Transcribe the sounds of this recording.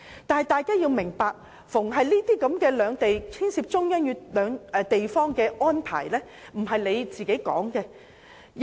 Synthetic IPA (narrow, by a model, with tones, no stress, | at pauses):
t̪aː˨nhɐ˨jt̪aː˨jkaː˥jiː˧wmɪ˨˩ŋpaː˧k̚ | fʊ˨˩ŋɦɐ˨jliː˥t̪iː˥kɐ˨˥mkɛː˧lœː˨˧ŋt̪e˨jt͡sʰiː˥nsiː˧p̚t͡sʊ˥ŋjɐ˥njyː˧tlœː˨˧ŋɛ˨˧t̪e˨jfɔː˥ŋkɛː˧ʔɔː˥npʰa̰ː˨˩jlɛː˥ | m̩˨˩ɦɐ˨jle˨˧jt͡siː˨ke˨˥jkɔ̰ː˨˥ŋkɛ˧